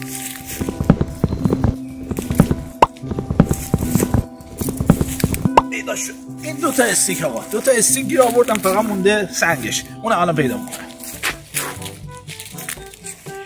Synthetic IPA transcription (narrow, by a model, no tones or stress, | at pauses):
pʰejd̪ɒːʃod̪̥iːnd̪ot̪ʰɒest̪ikʰɒːɣɒ̰d̪̥ot̪ʰɒest̪iːkbiɾɒːvoɾd̪ænfæɣæt̪mund̪esæŋɟeʃʔuːnæmɒːlæmpʰe̞jd̪ɒ̰ːmikʰonæ